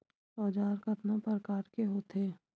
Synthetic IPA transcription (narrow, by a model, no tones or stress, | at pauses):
ɔːd͡ʒaːɾkət̪nãpɐɾkaːʈkeɦoːt̪ʰeː